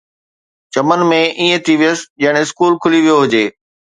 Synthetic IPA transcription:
t͡ɕɐmənmẽʔiːẽt̪ʰiʋijəsd͡ʑɐɦɪɽ̃ɪskuːlkʰʊliʋijoɦʊd͡ʑeː

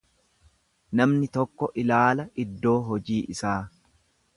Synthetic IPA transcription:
nɐmnɪt̪ɔkːɔʔɪlaːlɐɪd̪ːo̞ːɦɔd͡ʒiːʔɪsaː

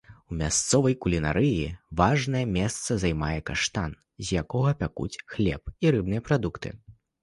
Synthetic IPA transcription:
umʲast̪sɔvɐjkulʲina̰ɾɨjivaʐnɐjɛmʲɛst̪sɐzajmajɛkaʂt̪an | zʲjakɔɣɐpʲakṵt͡sʲxlʲɛ̰p̚iɾɨbnɨjɛpɾad̪ukt̪ɨ̰

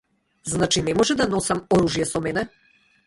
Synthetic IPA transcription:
znat͡ʃinɛmɔʒɛd̪anɔsamɔɾuʒijɛsɔmɛnɛ

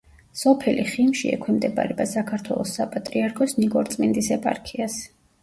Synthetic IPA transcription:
sɔpʰɛliχimʃḭɛ̰kʰwɛmd̪ɛba̰ɾɛbasakʰaɾt̪ʰwɛ̰lˠɔsːapʼat̪ʼɾiaɾkʰɔsniɡɔɾt̪sʼmind̪isɛpʼa̰ɾkʰias

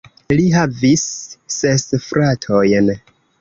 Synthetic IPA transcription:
liɦavisːesfɾatʰo̞jn

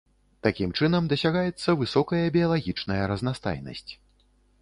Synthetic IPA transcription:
t̪akʲimt͡ʂɨnɐmd̪ɐsʲaɣajɛt̪sːɐvɨsɔkɐjɐbʲijɐlˠaɣʲit͡ʂnɐjɐɾɐznast̪a̰jnɐ̰sʲt͡sʲ

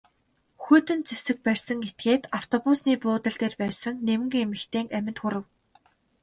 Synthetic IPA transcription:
xut̪ɘ̆nt͡sewsɘ̆k̚pærʲsə̆ŋɡet̪̚ɡeːt̪aw̥t̪ʰɔpusniːpʊːt̪ə̆ɮt̪eːrpæːsə̆ŋnewmɘ̆ŋɡemɘ̆xt̪ʰeːŋæmʲɪ̆nt̪xʊɾə̆w

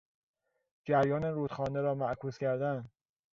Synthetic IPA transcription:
d͡ʒæɾjɒːneɾuːt̪xɒːneɾɒːmæʔkʰuːscæɾd̪æn

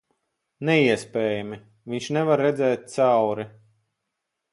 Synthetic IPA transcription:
nɛiɛspʲɛːjami | vʲiɲʲʃnɛvaɾːɛd̪zɛːt̪̚t̪sawɾi

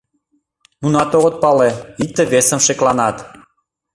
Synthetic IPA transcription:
nunɑt̪oɣə̆t̪̚pɑleit̪ːə̆βesə̆mʃeklɑnɑt̪

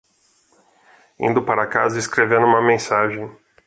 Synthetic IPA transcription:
ḭ̃nd̪ʊpaɾɐkazɐiskɾevẽnʊũmɐmẽsaʒẽj̃

